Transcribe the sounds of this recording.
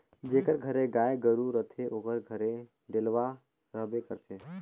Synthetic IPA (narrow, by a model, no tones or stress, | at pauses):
d͡ʒeːkəɾɡʱəɾeɡaːeɡəɾuɾət̪ʰeʔoːkəɾɡʱəɾe | ɖelʋa | ɾəɦbekəɾt͡ʃʰeː